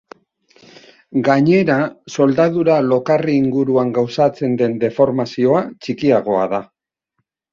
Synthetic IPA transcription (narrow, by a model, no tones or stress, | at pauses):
ɡaɲe̞ɾaso̞ld̪aðuɾalo̞kariːŋɡuɾuaŋɡawsat͡se̞nd̪e̞nd̪e̞fo̞ɾmasio̞at͡ʃikiaɣ̞o̞a̰ða